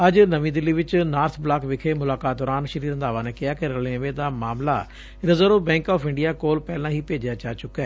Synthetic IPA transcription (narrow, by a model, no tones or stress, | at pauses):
əd͡ʒnəʋĩːd̪ɪlːiːʋɪt͡ʃnaːɾt̪ʰblaːkʋɪkʰeːmʊlaːkaːt̪̚d̪ɔːɾaːnʃəɾiːɾənd̪aːʋãːneːkɪaːkeɾəlẽʋeːd̪aːmaːmla̰ː | ɾɪzəɾoːbɛ̃ːŋkɔːfʰɪ̃ɳɖijaːkoːlpɛːlãːɦiːpeːd͡ʒjaːt͡ʃaːt͡ʃʊkːɛː